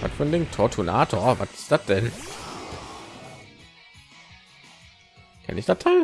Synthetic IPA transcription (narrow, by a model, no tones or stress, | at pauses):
va̰tfyɐndeːntʰɔɐtʰunaːtʰoːɐvatɪ̥sd̥at̚d̥ɛn | ʔa̰nɪçd̥atʰaɪ